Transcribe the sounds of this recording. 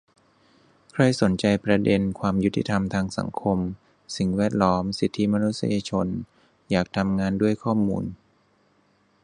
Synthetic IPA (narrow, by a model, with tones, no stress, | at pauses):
kʰɾa˧˩jso˩˦nt͡ɕa˧jpɾa˧de˧nkʰwaː˧mju˦˥t̪ʰːḭ˧t̪ʰa˧mt̪ʰaː˧ŋsa̰˩˦ŋkʰo˧m | si˨˩ŋwɛː˥˩t̪̚lɔː˦˥msi˨˩t̪ʰːi˦˥ma˧nu˦˥t̪̚sa̰˧ja˧t͡ɕʰo˧n | jaː˨˩k̚t̪ʰa˧mŋaː˧ndu˥˩əjkʰɔː˥˩mṵː˧n